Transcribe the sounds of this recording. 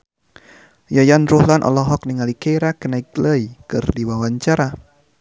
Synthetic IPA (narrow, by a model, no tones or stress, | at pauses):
jajanruhlanʔɔ̰lɔɦɔk̚niŋalikeɾakənaikləikɨrdiwawaɲt͡ʃaɾa